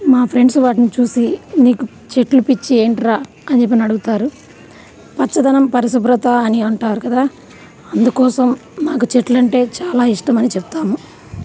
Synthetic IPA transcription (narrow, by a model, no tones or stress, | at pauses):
maːpʰɾeɳɖsʋaːʈinit͡ʃuːsiniːku | t͡ʃe̞ʈlupit͡ʃːie̞ːɳʈɾaː | ɐnt͡ʃep̬ːinɐɽuɡut̪aːɾu | pɐt͡ʃːɐd̪ɐnɐmpɐɾɐs̬ɐbɾɐt̪ɐɐniɐɳʈaːɾukɐd̪aː | ɐnd̪ukɔːsɐmːaːk̬ut͡ʃeʈlɐɳʈe̞ːt͡ʃaːlaːiʂʈɐmɐnit͡ʃept̪aːmu